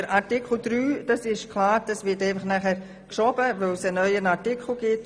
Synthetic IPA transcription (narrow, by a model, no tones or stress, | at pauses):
əɾʔɑɾtɪkʰl̩ˠd̥ɾyːd̥ɑsɪʃkʰlɑːɾd̥ɑsʋɪtɛɪfɑχnæχɛɾ | kʃɔb̥əʋœlsənœʏənɑtɪkʰl̩ɡ̥ɪt